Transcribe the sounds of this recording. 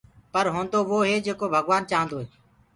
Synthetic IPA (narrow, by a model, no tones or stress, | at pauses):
pəɾɦõːnd̪oːʋoːɦeːd͡ʒeːkoːbʱəɡʋaːnt͡ʃaːɦə̃nd̪oːɦeː